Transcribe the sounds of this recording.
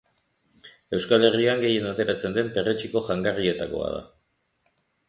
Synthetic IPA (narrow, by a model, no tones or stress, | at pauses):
e̞wskale̞riaŋɡe̞je̞nat̪e̞ɾat͡se̞nd̪e̞mpe̞ret͡ʃiko̞ʝaŋɡarie̞t̪ako̞̰a̰ða̰